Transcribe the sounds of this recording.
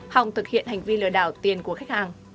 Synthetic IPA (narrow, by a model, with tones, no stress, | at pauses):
ha˨˩wŋ͡mt̪ʰɨ˨˩k̚hḭ˧˨ənha˨˩jŋ̟vi˧lɨ̰˧˨əɗaː˧˩wt̪i˨˩ənku˧˩əxa˦˥k̟̚haː˨˩ŋ